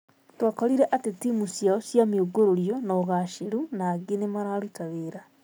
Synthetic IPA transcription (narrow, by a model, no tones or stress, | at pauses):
twakoliɾeʔatetimusjaosjamioɡoɾoɾjonoɣaʃeɾunaːɡenemaɾalutaβeːɾa